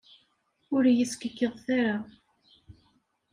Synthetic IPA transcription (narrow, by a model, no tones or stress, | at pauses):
ʊɾjəskəkːəðˤθaɾa